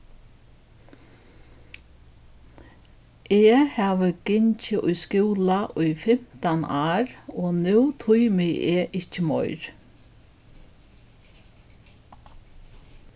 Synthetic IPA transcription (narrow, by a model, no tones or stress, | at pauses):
ʔeːhɑːʋəɡ̥ɪɲt͡ʃəʔʊjskuːlaʔʊʏfɛm̥t̪anaːɾoːnʉːt̪ʰʊjmɪʔeːʔɪcːəmɔ̰ʏɾ